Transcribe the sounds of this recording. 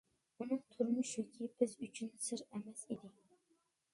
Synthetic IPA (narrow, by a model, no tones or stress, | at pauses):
unɨŋt̪ʰʊɾmʊʃukʲʰibɪzyt͡ʃʰynsɨɾɛmɛsid̪ɪ